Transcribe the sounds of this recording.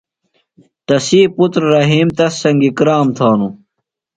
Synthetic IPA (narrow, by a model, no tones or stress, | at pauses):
t̪ɐsiːput̪ɾːɐɦiːmt̪ɐsːɐŋɡikɾaːmt̪ʰaːnu